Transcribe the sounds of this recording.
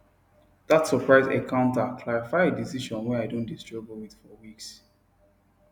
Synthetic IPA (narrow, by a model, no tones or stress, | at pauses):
ðatsɔpɹaɪzḛkãʊ̃ntakʰlaɹifaɪedisiʃɔ̃nwɛaɪdõndistɹɔbəlwiθfɔwiks